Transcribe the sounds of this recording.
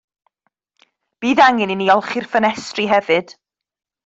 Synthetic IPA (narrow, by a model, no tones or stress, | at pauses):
b̥iːðaŋɪniniɔlˠχirfənɛstriɦɛvɨd̥